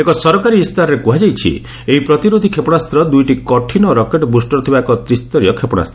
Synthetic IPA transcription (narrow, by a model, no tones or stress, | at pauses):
ekɔsɔɾɔkaɾiːst̪aɾɔɾekuɦad͡ʒajt͡ʃʰḭ | eɦipɾɔt̪iɾod̪ʱikʰepɔɽ̃ast̪ɾɔd̪ujʈikɔʈʰinɔɾɔkeʈɔbusʈɔɾɔt̪ʰibaekɔt̪ɾist̪ɔɾiɔkʰepɔɽ̃a̰st̪ʰɾ